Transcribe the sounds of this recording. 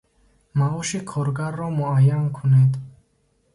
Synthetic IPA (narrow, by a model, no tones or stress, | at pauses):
maɔʃikʰɔɾɡaɾːɔmuajːankʰuned̪